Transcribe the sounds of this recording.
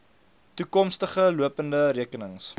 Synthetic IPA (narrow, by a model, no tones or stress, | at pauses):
tukɔmstəχəluəpəndəɾiəkənəŋs